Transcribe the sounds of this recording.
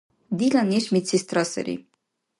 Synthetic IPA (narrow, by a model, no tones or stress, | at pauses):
d̪ilaneʃmisist̪ɾɔsɛ̰ɾḭ